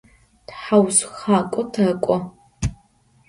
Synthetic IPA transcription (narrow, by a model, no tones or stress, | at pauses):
tħawsxaːkʷʼɔtʰɐkʷʼɔ